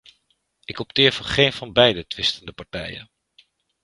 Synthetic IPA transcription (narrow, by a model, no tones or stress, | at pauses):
ɪkɔp̚tɪːɹv̥ɑnχejnv̥ɑnbɛjdətʋɪstəndəpɑɹtɛ̰jə̰n